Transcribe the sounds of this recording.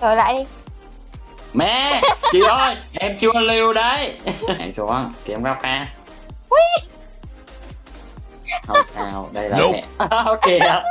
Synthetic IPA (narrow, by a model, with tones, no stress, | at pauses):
səː˨˩jla̰ː˧˨jɗi˧ | mɛ˧˨t͡ɕi˨˩ʔə˧˩jʔɛ˧mt͡ɕɨ˧ə˧li˧wɗə˨˧˦ja̰˧˨˩jsu˨˦ə˧nki˨˩ə˧mkaː˦˥wp̚xaː˧ | wi˧ | hə˨˩saː˧wɗə˧jla̰ː˨˧˨o˧ke˧